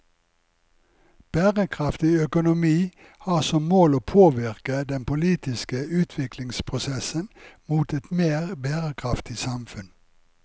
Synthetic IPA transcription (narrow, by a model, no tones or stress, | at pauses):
b̥æːʁəkʰʁɑft̪ɪœkʊnʊmiː | hɑːʁsɔmmoːloːpʰoːʋɪʁkəd̪ɛnpʊliːt̪ɪskəʉːt̪ʰʋɪklɪŋspʰʁʊsɛsənmuːt̪ɛt̪meːʁbæːʁəkʰʁɑft̪ɪsɑmfʉn